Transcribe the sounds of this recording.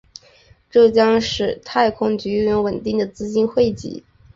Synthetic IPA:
ʈ͡ʂɤ˥˩t͡ɕjɑ˥ŋʂɻ̩˥˧t̪ʰa˥˩ɪkʰʊ˥ŋt͡ɕy˧˥y˥˧ɛ˧˥nwə˨˩nt̪i˥˩ŋd̪ə˩t͡sɹ̩˥t͡ɕi˥nxwe˥˩ɪt͡ɕḭ˧˥

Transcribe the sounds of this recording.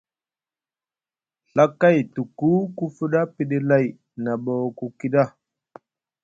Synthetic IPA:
ɬa˦ka˦˨jtu˨ku˦ku˦fu˦ɗa˦pi˨ɗe˦la˦˨j | na˨ɓo˨wku˦ki˦ɗa˦˨

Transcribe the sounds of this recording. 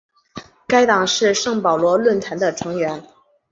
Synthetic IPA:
ka˥ɪt̪ɑ˨˩ŋʂɻ̩˥˧ʂɤ˥˩ŋpɑ˨˩ʊlwɔ˧˥lwə˥˩nt̪ʰa˧˥nd̪ə˧ʈ͡ʂʰɤ˧˥ŋɥɛ˧˥n

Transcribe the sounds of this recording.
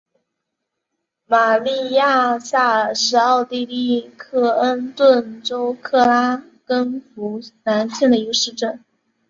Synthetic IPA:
ma˨˩li˥˧ja˥˧sa˥˩ʂɻ̩˧˥ɑ˥˧ʊt̪i˥˧li˥˩kʰɤ˥˩ə˥nt̪wə˥˧nʈ͡ʂo˥ʊkʰɤ˥˩la˥ | kə˥nfu˧˥na˧˥nɕjɛ˥˩nd̪ə˩i˧˥ɡʂɻ̩˥˧ʈ͡ʂə˥˩n

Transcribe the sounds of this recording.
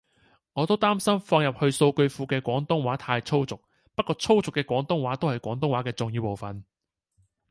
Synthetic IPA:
ŋɔː˨˧t̪o˥wt̪aː˥msɐ˥mfɔː˧ŋjɐ˨p̚hɵ˧ɥso˧wkɵ˧ɥfuː˨˧kɛː˧kʷɔː˨˥ŋt̪ʊ˥ŋwaː˨˥t̪ʰaː˧jt͡sʰo˥wt͡sʊ˨k̚ | pɐ˥t̚kɔː˧t͡sʰo˥wt͡sʊ˨kːɛː˧kwʷɔː˨˥ŋt̪ʊ˥ŋwaː˨˥t̪o˥whɐ˨˩jkʷɔː˨˥ŋt̪ʊ˥ŋwaː˨˥kɛː˧t͡sʊ˨ŋjiː˧wpo˨wfɐ˨n

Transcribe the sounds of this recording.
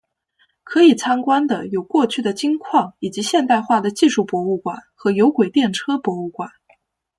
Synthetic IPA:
kʰɤ˧˥i˨˩t͡sʰa˥nkwa˥nd̪ə˨jo˨˩ʊkwɔ˥˧t͡ɕʰy˥˩d̪ə˩t͡ɕi˥ŋkʰwɑ˥˩ŋi˨˩t͡ɕi˧˥ɕjɛ˥˧nt̪a˥˧ɪxwa˥˩d̪ə˩t͡ɕi˥˧ʂu˥˩pwɔ˧˥u˥˩kwa˨˩˦nxɤ˧˥jo˧˥ʊkwe˨˩ɪt̪jɛ˥˩nʈ͡ʂʰɤ˥pwɔ˧˥u˥˩kwa˨˩˦n

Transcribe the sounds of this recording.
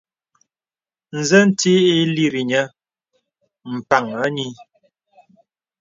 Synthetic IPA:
n̩˨zə˦n̩˦ti˦i˦li˦ɾi˨ɲə˦ | m̩˨pa˨ŋə˦ɲi˦

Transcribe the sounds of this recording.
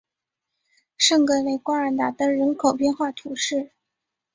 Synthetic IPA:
ʂɤ˥˧ŋkɤ˧˥le˧˥ɪkwa˥ə˧˥t̪a˨˩t̪ə˥ɻə˧˥nkʰo˨˩ʊpjɛ˥˧nxwa˥˩t̪ʰu˧˥ʂɻ̩˥˩

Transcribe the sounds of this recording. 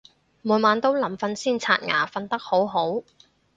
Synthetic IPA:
muː˨˧nmaː˨˧nt̪o˥wlɐ˨˩mfɐ˧nsiː˥nt͡sʰa̰ː˧t̚ŋa̰ː˨˩fɐ˧nt̪ɐ˥k̚ho˨˥wɦo˨˥w

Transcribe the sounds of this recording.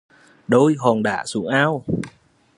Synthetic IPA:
ɗo˧jɦɔ˨˩nɗa̰ː˧˩sṵ˨˦ŋʔaː˧w

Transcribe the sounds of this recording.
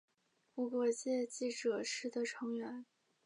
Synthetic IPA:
pu˥˩kwɔ˥˩t͡ɕjɛ˥˧t͡ɕi˥˩ʈ͡ʂɤ˨˩ʂɻ̩˥˩d̪ə˩ʈ͡ʂʰɤ˧˥ŋɥɛ˧˥n

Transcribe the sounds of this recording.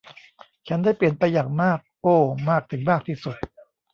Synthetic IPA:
t͡ɕʰa˦˥ndaː˥˩jpli˨˩ənpa˧jːaː˨˩ŋmaː˥˩k̚ʔoː˧˩maː˥˩k̚t̪ʰɯ˩˦ŋmaː˥˩k̚t̪ʰiː˥˩su˨˩t̪̚

